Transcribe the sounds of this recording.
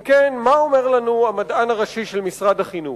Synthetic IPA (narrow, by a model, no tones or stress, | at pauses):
kenmaome̞ʁlanuamadanaʁaʃiʃelmisʁad̪haχinu